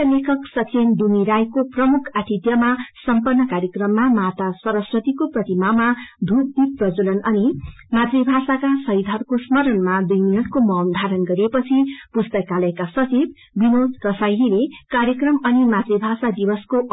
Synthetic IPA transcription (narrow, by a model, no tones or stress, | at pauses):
lekʰʌksʌt͡send̪umiɾajkoprʌmukʰaʈʰit̪jʌmasʌmpʌrnːʌkaɾjʌkrʌmːamat̪asʌɾʌswʌt̪ikoprʌt̪imamad̪ʱuk̚d̪ik̚prʌd͡zulʌnʌni | mat̪ribʱasakasʌjd̪ʱʌrkosmʌɾʌnmad̪ujminʌʈkomʌ̃nd̪ʱaɾʌnɡʌɾepʌt͡sʰipust̪ʌkalʌekasʌt͡sib̚ | binod̪kʌsajɦilekaɾjʌkrʌmʌnimat̪rebʱasad̪ibʌskoʔ